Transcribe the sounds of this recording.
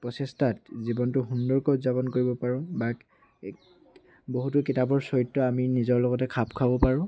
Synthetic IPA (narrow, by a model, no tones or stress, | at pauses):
pɹɔsestat̚zibɔntʊɦundɔɹkɔtzabɔnkoɹibɔpaɹʊ̃ba | boɦutʊkitabɔɹsɔitːɔaminizɔɹlɔɡɔtɛkʰapkʰabɔpaɹʊ̃